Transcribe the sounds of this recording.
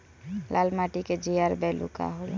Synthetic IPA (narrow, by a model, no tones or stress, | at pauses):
lʔalmaʈiked͡ʒiaɾbɛlṵka̰ɦolo